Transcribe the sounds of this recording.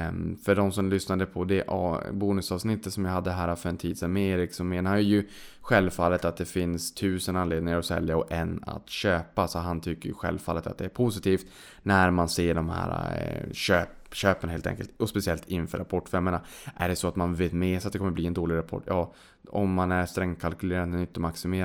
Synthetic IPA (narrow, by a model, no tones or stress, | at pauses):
fœɖɔmsɔmlʏsnad̪əpʰɔd̪ɛʔbuːnɵsɑːvsnɪt̪ːət̪sɔmjaɦad̪ːəɦæːɾafœɾɛnt̪ʰiːd̪sɛnmeːɾɪksɔmeːnahanjɵjɵɧɛlvfalːət̪at̪̚d̪ɛfɪnst̪ʰʉ̟ːsənanleːd̪nɪŋaɾɔsɛ̰ljaɔɛnːa̰t̪ɕøːpasɔɦant̪ʰʏkːəɾjɵ̰ɧɛ̰lvfalːət̪a̰t̪̚d̪ɛæɾpʰʊsɪt̪ʰiːft̪ | næɾmanseːɖɔmhæ̰ːɾa̰ɕøːpɕøːpənɦeːlt̪ʰɛ̰ŋkəlt̪ɔspɛsɪɛlt̪ʰɪnfœ̰ɾa̰pʰɔʈːfɛmːənaʔæɖɛsɔat̪manveːt̪meːsɔat̪̚d̪ɛkʰɔmːəɾbliːɛnd̪oːlɪɡɾapʰɔ̰ʈːjɑː | ɔ̰mːanæɾst̪ɾɛŋːkʰalkɵleːɾad̪mɛnɪnt̪əmaksɪmeː